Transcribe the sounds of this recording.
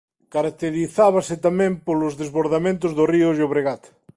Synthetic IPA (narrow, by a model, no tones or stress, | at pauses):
kaɾak̚t̪eɾiθaβasɪt̪amɛ̃mpolʊzðezβoɾðamẽnt̪̬ʊzðoriʊʒoβɾeɣat̪ḁ